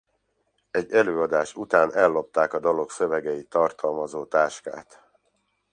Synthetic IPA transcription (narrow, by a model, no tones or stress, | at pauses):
ɛɟːɛløːɒd̪aːʃut̪aːnɛlːo̞p̚t̪aːkɒd̪ɒlo̞ksøvɛɡɛit̪ːɒrt̪ɒlmɒzoːt̪aːʃka̰ːt̪